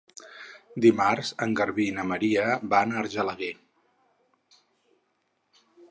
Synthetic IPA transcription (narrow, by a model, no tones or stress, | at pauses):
d̪imarzəŋɡəɾβinəməɾiəbanəɾʒələɣe